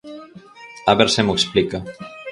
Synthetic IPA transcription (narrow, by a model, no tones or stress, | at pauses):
aβeɾsemoksplika